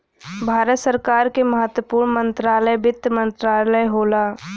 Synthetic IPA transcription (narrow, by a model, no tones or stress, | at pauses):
bʱaːɾət̪səɾkaːɾkeməɦət̪wəpuːɾɳəmə̃nt̪ɾaːləjbɪt̪ːəmə̃nt̪ɾaːləjɦoːlaː